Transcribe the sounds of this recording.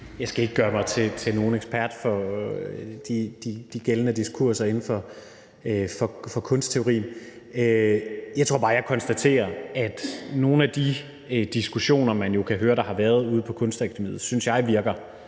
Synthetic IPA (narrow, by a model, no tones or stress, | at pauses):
jɑ̈ɪsɡ̥æeɡ̥əɡ̥ɶːɐmɑ̈ɪt͡sʰe̝t͡sʰe̝lno̝ːn̩eɡ̥sb̥ʰæɐd̥fɒ̽ | d̥id̥id̥iɡ̥elənəd̥iskʰuɐsɐe̝nn̩fɒ̽ | øfɒ̽fɒ̽kʰɔ̽nsd̥t͡sʰe̝oʊʁḭːn̩ | øjɑ̈ɪt͡sʰo̝ɐ̰b̥ɑ̈ːjɑ̈ɪkʰɒ̽nsd̥æt͡sʰe̝̰ːɐæd̥no̝ːn̩æd̥i | ød̥isɡ̥uɕo̝̰ːnɐmænjo̝kʰæɦøːɐɾ̥ɑ̈hɑ̈ʋæɐð̞̩ˠuːð̞̩ˠpʰɒ̽kʰɔ̽nsd̥ekʰt͡sʰemḭð̩ˠsynsjɑ̈ɪʋiɐɡ̥ɐ